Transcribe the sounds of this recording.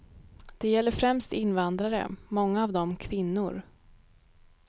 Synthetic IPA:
d̪̥ɛjɛlːəɾfɾɛmst̪ɪnvand̪ɾaɾə̰mɔŋːaːvd̪ɔmkʰvɪnːʊɾ

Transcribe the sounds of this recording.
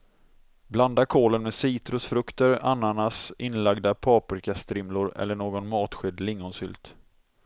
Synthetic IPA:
bland̪aɾkʰoːlənmɛsiːt̪ɾʊsfɾɵkt̪əɾa̰nːanasɪnːlaɡd̪apʰɑːpɪɾkʰast̪ʰɾɪmlʊɾɛ̰lːəɳoːɡɔnmɑːt̪ɧʏd̪lɪŋːɔnsʏ̰lt̪

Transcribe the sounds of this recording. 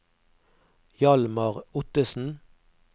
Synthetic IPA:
jɑlmɑʁʊt̪əsn̩

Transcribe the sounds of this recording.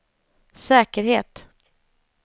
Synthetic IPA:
sɛːkəɾheːt̪

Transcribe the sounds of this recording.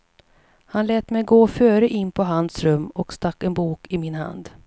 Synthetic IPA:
hanlɛːt̪mɛjɡoːfœːɾəʔɪnːpʰɔɦand̪sɾɵmːɔkst̪akːɛnbuːkɪmɪnha̰nd̪

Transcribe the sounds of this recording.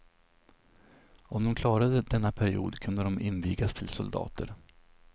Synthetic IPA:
ɔmd̪ɔmkʰlɑːɾad̪əd̪ɛnːapʰæɾɪṵːd̪kʰɵnd̪əd̪ɔmɪnviːɡast̪ʰɪlsʊ̰ld̪ɑ̰ːt̪ʰə̰ɾ

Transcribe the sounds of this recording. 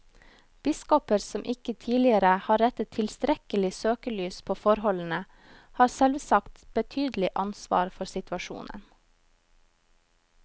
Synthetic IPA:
b̥ɪskɔpəɾsɔmʔɪkət̪ʰiːlɪəɾəhɑːɾɛt̪ət̪ʰɪlst̪ɾɛkəlɪsøːkəlyːspʰoːfɔɾhɔln̩ə | hɑːɾsɛlʋsɑkt̪b̥ət̪ʰyːd̪l̩ɪʔɑnsʋɑ̰ːɾfɔɾsɪt̪ʉɑʃṵːnʔə̰n

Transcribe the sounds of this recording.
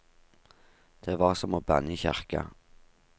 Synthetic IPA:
d̪̥eːʋɑːʁsɔmoːbæniçæʁkə̰

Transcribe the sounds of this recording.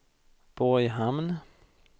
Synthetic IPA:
b̥ɔjɦamn

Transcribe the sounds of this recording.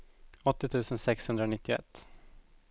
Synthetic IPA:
ɔt̪ːɪt̪ʰʉ̟ːsənsɛkshɵnd̪ɾaɔnɪt̪ːɪʊɛ̰t̪ː

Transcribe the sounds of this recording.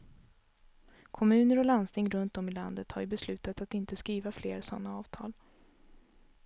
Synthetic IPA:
kʰɔmʉ̟ːnəɾɔland̪st̪ʰɪŋːɾɵnt̪dɔmɪla̰nd̪ət̪hajɵbɛslʉ̟ːt̪at̪at̪ɪnt̪əskɾiːvafleːɾsɔnːaɑːv̥t̪ʰɑ̰ːl

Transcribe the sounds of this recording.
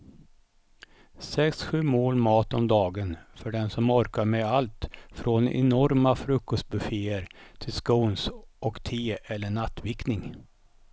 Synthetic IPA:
sɛksɧʉ̟ːmoːlmɑːt̪ɔmd̪ɑːɡənfœɖɛnsɔmɔɾkaɾmɛalt̪fɾoːnɛ̰nɔɾmafɾɵkːɔst̪̚bɵfeːəɾt̪ʰɪlskɔːnsʔɔkt̪ʰeːɛlːəɳat̪ːvɪknɪŋ

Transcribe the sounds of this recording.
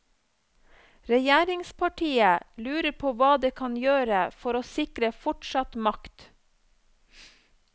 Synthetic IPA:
ɾɛjæːɾɪŋspʰɑʈʰiːəlʉːɾəɾpʰoːʋɑːd̪eːkʰɑnjøːɾəfɔɾoːsɪkɾəfɔʈʃɑt̪mɑkt̪

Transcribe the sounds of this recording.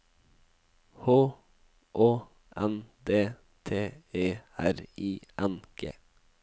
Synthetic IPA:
hoː | ʔoː | ʔænd̪eː | t̪ʰeːeːæɾiːʔɑnkḛ

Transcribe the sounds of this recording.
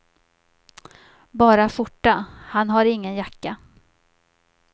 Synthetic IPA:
bɑːɾafʊʈːahanɦaɾɪŋːənjakːa

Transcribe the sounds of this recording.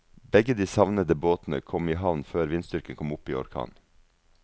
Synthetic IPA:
bɛɡəd̪iːsɑʋnəd̪əboːt̪n̩ə̰kʰɔmiːɦɑʋnføːɾʋɪnst̪ʏɾkənkʰɔmʊpiːɔ̰ɾkʰɑ̰ːn

